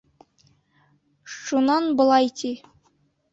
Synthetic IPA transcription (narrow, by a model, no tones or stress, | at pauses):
ʃunɑnbɤ̆lˠɑjt̪ʲi